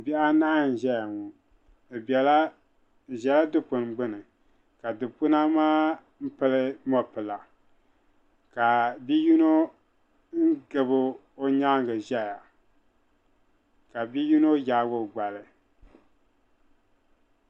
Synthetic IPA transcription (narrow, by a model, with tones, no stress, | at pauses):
bɛ˦ʔa˦na˦˨n̩˨ʒɛ˦ja˨ŋu˨ | bɛ˨l | ʒɛ˨la˦dɨ˦pʊ˨n˨ɡ͡bɨ˦nɨ˨ | ka˨dɨ˨pʊ˦na˦maː˦ | m̩˦pɨ˦lɨ˦mɔ˦pɨ˨la˨ | ka˨bi˦ju˦no˦ | n̩˦ɡɨ˨bɨ˦ | o˦ɲa˦ŋɡɨ˨ʒɛ˦ja˨ | ka˨bi˦ju˦no˦jaː˦ɡo˦˨ɡ͡ba˨lɨ˨